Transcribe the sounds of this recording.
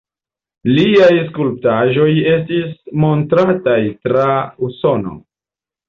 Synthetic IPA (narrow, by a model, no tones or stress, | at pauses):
liajskulp̚taʒo̞je̞stismo̞ntɾatajtɾauso̞no̰